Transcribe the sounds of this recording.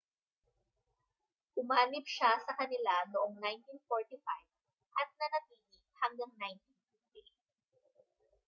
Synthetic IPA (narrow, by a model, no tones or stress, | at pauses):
ʔʊmaːnɪb̚ʃasɐkɐnɪlanoʔoŋnajnt̪infoɹt̪ɪfajv̥ | ʔɐt̪̚nɐnɐt̪iːnɪ | hɐŋɡaŋnajnt̪infɪft̪i